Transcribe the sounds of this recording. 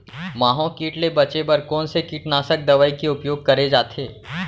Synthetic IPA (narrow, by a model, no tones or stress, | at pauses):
mãːɦõkiːʈlebɐt͡ʃebɐɾkɔːnsekiːʈnaːsək̚d̪ɐʋaːikeʊpjoːɡ̚kɐɾed͡ʒaːt̪ʰeː